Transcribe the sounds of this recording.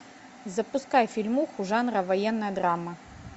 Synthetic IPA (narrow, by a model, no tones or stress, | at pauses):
zɐpuskajfʲilʲmuxuʐanɾɐvajɛnːɐjɐd̪ɾamɐ